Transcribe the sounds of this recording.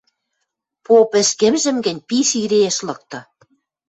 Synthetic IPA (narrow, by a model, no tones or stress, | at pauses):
popɘ̆ʃkĕmʒɘ̆mɡɘ̆nʲpisiɾeeʃlɤ̆k̚t̪ɤ̆